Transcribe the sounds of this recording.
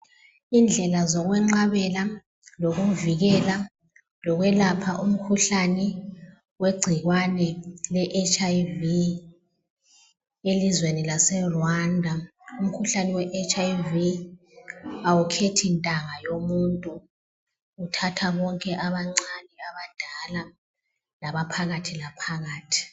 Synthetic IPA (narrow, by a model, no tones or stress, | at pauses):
ind͡ɮʱɛlazɔɣwɛŋ͡ǀaβɛla | loɣuviɣɛla | lɔɣwɛlapʰaʔum̩kʰuɬanɛ | weɡ͡ǀʱiɣwanɛlɛʔet͡ʃʼaivi | elizwenilasɛrwandʱa | um̩kʰuɬanɛwɛʔet͡ʃʼaivi | awukʰetʰintʼaŋajomuntʼu | utʰatʰaβɔŋkʼɛʔaβaŋ͡ǀanɛaβad̥ʱala | laβapʰaɣatʰilapʰaɣaːtʰi̥